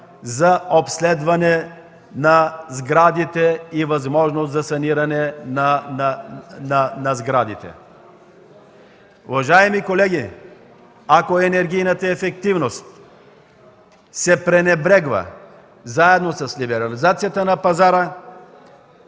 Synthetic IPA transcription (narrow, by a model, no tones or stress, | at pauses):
zɐopslɛd̪vɐnɛ | nɐzɡɾad̪it̪ɛivɐzmɔʒnost̪zɐsɐniɾɐnɛnɐ | nnɐzɡɾad̪it̪ɛ̰ | ṵvɐʒaɛmikolɛɡʲi | akoɛnɛɾɡijnət̪əɛfɛkt̪ivnost̪ | sɛpɾɛnɛbɾɛɡvə̰ | zaɛd̪nosɐslibɛɾɐlizat̪sijɐt̪ənɐpɐzaɾə